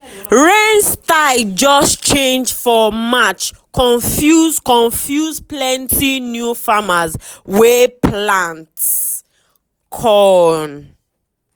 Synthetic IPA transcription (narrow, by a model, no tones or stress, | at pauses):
ɹenstaɪld͡ʒɔst͡ʃẽnd͡ʒfɔmat͡ʃkʰɔ̃nfjuzkɔ̃ɱfjuzplɛ̃ntʰinjufamazwɛpʰlãnts | kʰɔn